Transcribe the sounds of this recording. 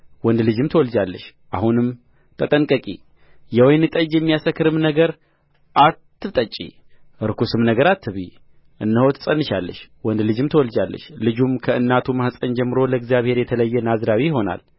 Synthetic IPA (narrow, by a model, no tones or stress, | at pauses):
wɔnd̪lɨd͡ʒɨmt̪ʰəwɔld͡ʒalːəʃʔahunɨm | t̪ʰʼət̪ʼəŋkʼəkʼḭ | jɛwɔjnɨt̪ʼəd͡ʒjɛmːijasəkːɨɾɨmnəɡəɾ | ʔat̪ːɨβt̪ʼət͡ʃʼːḭ | ɨɾkusɨmnəɡəɾat̪ʰːɨβḭ | ʔɨnːəho̞t̪ʰɨ̥sʼənːɨʃalːə̰ʃwɔnd̪lɨd͡ʒɨmt̪ʰəwɔld͡ʒalːə̰ʃlɨd͡ʒumkʰəɨnːat̪ʰumahsʼəɲd͡ʒɛmːɨɾo̞ləɨɡzjaβhe̞ɾjɛt̪ʰələjːɛnazɾawijɪɦo̞na̰l